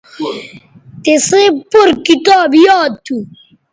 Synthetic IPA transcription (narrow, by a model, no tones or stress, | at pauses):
t̪esepoɾkit̪aːbjaːt̪ʰːu